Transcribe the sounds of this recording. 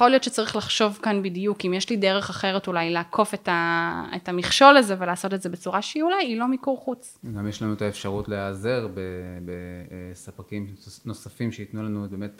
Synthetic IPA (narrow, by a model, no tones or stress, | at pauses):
jχolijo̞t̪ʃet͡saʁiχlaχʃo̞vkanbidijukimjeʃlideʁe̞χaχe̞ʁetulajleːkʰo̞fetaetamiχʃo̞laze̞ve̞laːso̞tetze̞be̞t͡suʁaʃeiulajilo̞mikuʁχut͡s | ɡamjeʃlanuetaefʃaʁutleazeʁbebesapakimnosafimʃeitnulanuebemet̚